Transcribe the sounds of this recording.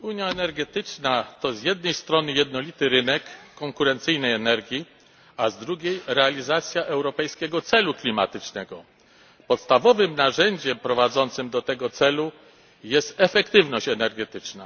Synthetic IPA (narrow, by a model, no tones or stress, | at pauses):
uɲjaɛnɛɾɡɛt̪ɘt͡ʂnat̪ɔzjɛd̪nɛjst̪ɾɔnɘjɛd̪nɔlʲit̪ɘɾɘnɛkːɔŋkuɾɛnt̪sɘjnɛjɛnɛɾɡʲji | azd̪ɾuɡʲejɾɛalʲizat̪sʲjaʔɛwɾɔpɛjskʲɛɡɔt̪sɛluklʲima̰t̪ɘt͡ʂnɛɡɔ | pɔt̪st̪avɔvɘmnaʐɛɲd͡ʑɛmpɾɔvad̪zɔnt̪sɘmd̪ɔt̪ɛɡɔt̪sɛlu | jɛst̪ɛfɛkt̪ɘvnɔɕt͡ɕɛnɛɾɡɛt̪ɘt͡ʂna